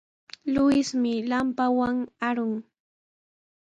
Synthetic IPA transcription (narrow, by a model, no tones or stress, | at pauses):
lʊjɪsmɪlampawaŋaɾʊŋ